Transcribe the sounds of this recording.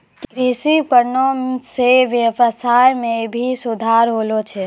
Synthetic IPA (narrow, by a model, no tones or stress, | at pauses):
kɾisikəɾnoseʋjəʋəsajmebʱisud̪ʱaɾɦolot͡ʃʰɛ